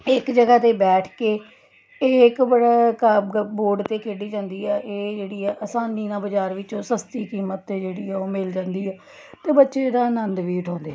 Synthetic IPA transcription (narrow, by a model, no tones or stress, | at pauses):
ɪkd͡ʒəɡaːt̪eːbɛːʈʰkeː | eːɪkbəɽaːkaboːɖt̪eːkʰeːɖiːd͡ʒãːnd̪iːɛːʔeːd͡ʒeːɽiːɛːʔəsaːniːnãːbəd͡ʒaːɾʋɪt͡ʃõːsəst̪iːkiːmət̪ːeːd͡ʒeːɽiːɛːoːmɪld͡ʒãːnd̪iːɛː | t̪eːbətːʃeːd̪aːənənd̪ʋiːɪʈʰõːnd̪eːɛ